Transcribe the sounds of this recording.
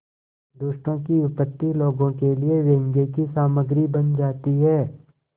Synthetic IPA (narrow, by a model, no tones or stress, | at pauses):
d̪ʊʃʈõkiʊpət̪ːiloːɡõkelieʋẽːŋɡekisaːməɡɾibənd͡ʒaːt̪iɦɛː